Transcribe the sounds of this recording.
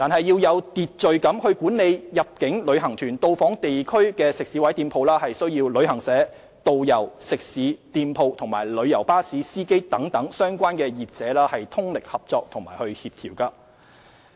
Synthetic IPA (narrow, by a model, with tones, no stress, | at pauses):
t̪aː˨nɦɐ˨jːiː˧wjɐ˨˧wt̪iː˨t̚t͡ʃɵ˨ɥkɐ˨˥mhɵ˧ɥkuː˨˥nle˨˧jjɐ˨p̚kɪ˨˥ŋlɵ˨˧ɥɦɐ˨˩ŋt̪ʰyː˨˩nt̪o˧wfɔː˨˥ŋt̪e˨jkʰɵ˥ɥkɛː˧sɪ˨k̚siː˨˥wɐ˨˥jt̪iː˧mpʰo˨˧wlaː˥hɐ˨jsɵ˥ɥjiː˧wlɵ˨˧ɥhɐ˨˩ŋsɛː˨˥ | t̪o˨wjɐ˨˩wsɪ˨k̚siː˨˥t̪iː˨˧mpʰo˨˧wt̪ʰʊ˨˩ŋmaː˨˩jlɵ˨˧ɥjɐ˨˩wpaː˥siː˨˥siː˥ke˥jt̪ɐ˨˥ŋt̪ɐ˨˥ŋsœː˥ŋkʷaː˥nkɛː˧jiː˨t̚t͡sɛː˨˥laː˥hɐ˨jt̪ʰʊ˥ŋlɪ˨k̚hɐ˨p̚t͡sɔː˧k̚t̪ʰʊ˨˩ŋma̰ː˨˩jhɵ˧ɥhiː˧p̚t̪ʰiː˨˩wkɐː˧